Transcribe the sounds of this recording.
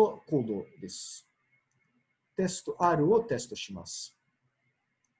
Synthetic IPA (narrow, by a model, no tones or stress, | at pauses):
okoːd̪od̪es | t̪est̪oʔaɾɯ̟ot̪est̪oɕima̰s